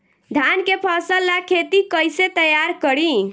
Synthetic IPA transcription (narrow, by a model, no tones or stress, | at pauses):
d̪ʱankepʰəsəlːakʰet̪ikəjset̪əjaɾkəɾi